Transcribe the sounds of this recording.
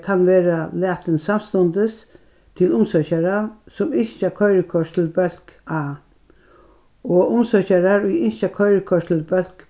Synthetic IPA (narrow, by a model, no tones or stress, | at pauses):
kʰanʋeːɾalæːt̪ɪnsamst̪ɔnt̪əs | t̪ʰɪlʊmsœçaɾasɔmɪɲʃakʰœʏɾəkʰɔʂt̪ʰɪlbœl̥kaː | ɔʊmsœçaɾaɹʊjɪnʃakʰœʏɾəkʰɔʂt̪ʰɪlbœl̥k